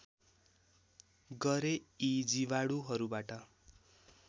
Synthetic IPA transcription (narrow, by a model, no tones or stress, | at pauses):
ɡʌɾeid͡zibaɽuɦʌɾubaʈʌ